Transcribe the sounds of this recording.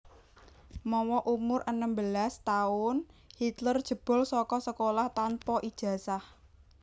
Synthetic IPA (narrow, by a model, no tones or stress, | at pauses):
mɔwɔʔumʊrʔənəmbəlast̪aʊnhit̪lərd̥ʒ̥ə̤b̥ɔ̤lsɔkɔsəkolaht̪anpɔʔid̥ʒ̥ä̤sah